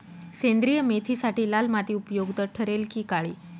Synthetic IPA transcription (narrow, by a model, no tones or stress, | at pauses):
sẽnd̪ɾijəmet̪ʰiːsaʈiːlalmat̪iːupjoɡd̪əʈʰəɾelkiːkaɭiː